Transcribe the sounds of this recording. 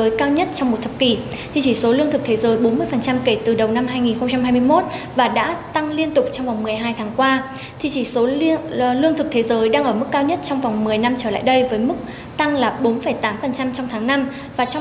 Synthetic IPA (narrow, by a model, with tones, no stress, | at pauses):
əː˨˦jkaː˧wɲə˦˥t̚t͡ɕɔ˧wŋ͡mmo˨˩t̚t̪ʰə˨˩p̚ki˧˩ | t̪ʰi˨˩t͡ɕi˧˩so˨˦lɨ˧ət̪ʰɨ˨˩k̚t̪ʰe˨˦zəː˨˦jɓo˨˦nmɨ˧əjfə˨˩nt͡ɕa˧mke˧˩t̪ɨ˨˩ɗə˨˩wna˧mɦaː˧jŋi˨˩nxə˧wŋ͡mt͡ɕa˧mhɦaː˧jmɨ˧əjmo˦˥t̚ | vaː˨˩ɗa̰ː˧˥t̪a˧ŋli˧ənt̪ʊ˨˩k͡p̚t͡ɕɔ˧wŋ͡mva˨˩wŋ͡mmɨ˨˩əjɦaː˧jt̪ʰaː˨˦ŋkwaː˧ | t̪ʰi˨˩t͡ɕi˧˩so˨˦lɨ˧əŋt̪ʰɨ˨˩k̚t̪ʰe˨˦zəː˨˦jɗaː˧ŋʔəː˧˩mɨ˦˥kːaː˧wɲə˦˥t̚t͡ɕɔ˧wŋ͡mva˨˩wŋ͡mmɨ˨˩əjna˧mt͡ɕəː˧˩la̰ː˧˨jɗə˧jvəː˨˦jmɨ˦˥k̚ | t̪a˧ŋlaː˨˩ɓo˨˦nfə˧˩jt̪aː˨˦mfə˨˩nt͡ɕa˧mt͡ɕɔ˧wŋ͡mt̪ʰaː˨˦ŋna˧m | vaː˨˩t͡ɕ